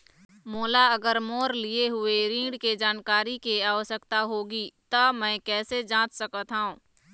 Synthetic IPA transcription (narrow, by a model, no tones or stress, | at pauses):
moːlaɐɡəɾmoːɾlieɦʊeɾĩːɽked͡ʒaːnkaːɾikeaːʋəʃəkt̪aɦoːɡit̪ɐmɛ̃ːkɛːsed͡ʒãːt͡ʃsəkət̪ɦaːũː